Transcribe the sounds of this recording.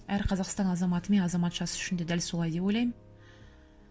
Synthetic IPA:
æɾqʰɑzɑqst̪ɑnɑzɑmɑt̪əme̞nɑzɑmɑt̪ʒɑsə̥ʏʃɪnd̪e̞d̪ælso̞lˠɑjd̪e̞po̞jlˠɑjmən

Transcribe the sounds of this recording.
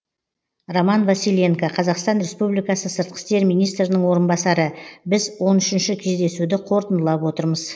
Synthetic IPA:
romɑnvasilʲe̞ŋkaqʰɑzɑqst̪ɑnɾe̞spublijkɑsəsəɾt̪̚qə̥st̪e̞ɾmijnijst̪ɾɪnəɴwo̞ɾənbɑsɑɾəbɪzwo̞nʏʃɪnʃɪkʲʰe̞zd̪e̞sud̪ɪqʰo̞ɾt̪ənd̪əlˠɑpwo̞t̪əɾməz

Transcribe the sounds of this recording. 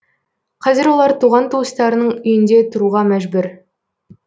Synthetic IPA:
qʰɑzɪɾwo̞lˠɑɾt̪ʰuʁɑnt̪ʰuwəst̪ɑɾənəɴʏjɪnd̪et̪ʰʊɾuʁɑmæʒbʉɾ

